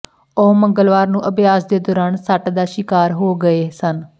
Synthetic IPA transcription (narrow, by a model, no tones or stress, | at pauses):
oːməŋɡəlʋaːɾnũːʔəbjaːsd̪eːd̪ɔːɾaːnsəʈd̪aːʃɪkaːɾɦoːɡəeːsən